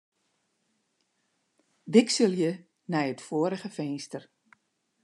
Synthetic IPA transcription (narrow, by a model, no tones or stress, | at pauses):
dɪksəlˠjə | nɛjətfoːɾəɣəfɛjnstər